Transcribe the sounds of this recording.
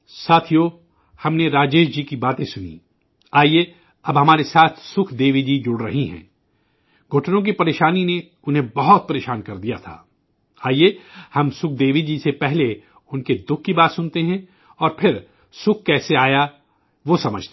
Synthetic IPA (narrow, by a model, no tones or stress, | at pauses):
saːt̪ʰijo | hɐmneɾaːd͡ʒeːʃd͡ʒiːkibaːt̪ẽsʊnḭ | aːie | ɐbɦɐmaːɾesaːt̪ʰsʊkʰd̪eːʋid͡ʒid͡ʒʊɽɾɐɦiɦɛ̰̃ː | ɡʱʊʈʰnõk̬ipɐɾeːʃaːnine | ʊnɦẽbɐɦʊt̪̚pɐɾeːʃaːnkɐɾd̪ija̰t̪ʰa̰ː | aːiehɐmsʊkʰd̪eːʋid͡ʒisepɛɦle | ʊnked̪ʊkʰːibaːt̪sʊnt̪eɦɛ̃ | ɔːɾpʰɪɾ | sʊkʰkɛːseaːja | ʋosɐməd͡ʒʱt̪